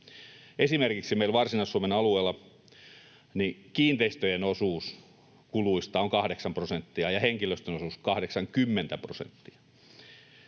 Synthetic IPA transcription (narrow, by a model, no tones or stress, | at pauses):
ʔesimerkiksimeilʋɑrsinɑˑisuomenɑlueːlːˑɑ | nikiːnt̪eist̪øjenosuːs | kuluist̪ɑoŋkɑhɾeksɑmprosent̪ːiɑjɑheŋkiløst̪ønosuːskɑhɾeksɑŋkymːent̪æprosḛnt̪ːiɑ̥